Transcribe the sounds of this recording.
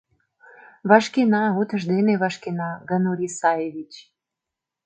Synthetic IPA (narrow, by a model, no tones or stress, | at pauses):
βɑʃkenɑut̪ə̆ʃd̪eneβɑʃkenɑɡənuɾʲisɑjeβit͡ɕ